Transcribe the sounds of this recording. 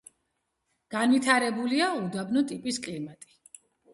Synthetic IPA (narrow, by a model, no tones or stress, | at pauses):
ɡ̥anvit̪ʰaɾɛbuliaud̪abnɔt̪ʼipʼiskʼlimat̪ʼi̥